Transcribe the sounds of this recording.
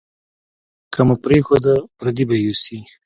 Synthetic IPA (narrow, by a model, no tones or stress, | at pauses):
kʰamapɾexod̪apɾad̪ibajusi